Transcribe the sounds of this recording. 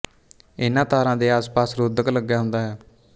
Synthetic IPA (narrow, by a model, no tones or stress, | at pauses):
ɪnãːt̪aːɾãːd̪eːaːspaːsɾoːd̪əkləɡːjaːɦʊnd̪aːɦɛː